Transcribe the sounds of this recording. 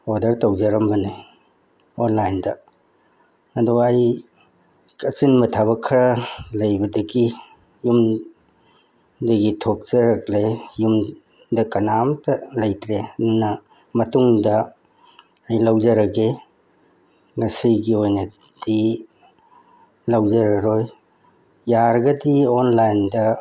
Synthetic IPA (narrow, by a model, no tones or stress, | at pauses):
odɐɾtɐwzɐɾɐmbɐne | onlajndɐ | ɐduaj | kɐt͡ʃinmɐtʰaβɐkʰːɐɾɐlɐjbɐdɐɡi | jum | dɐɡitʰok̚z̥ɐɾɐklejum | dɐkɐnamtɐlɐjtɾedunɐ | mɐtuŋdɐː | jlɐwzɐɾɐɡe | ŋɐsiɡiojnɐ | d̥i | lɐwzɐɾɐɾoj | jaɾɡɐdionlajndɐ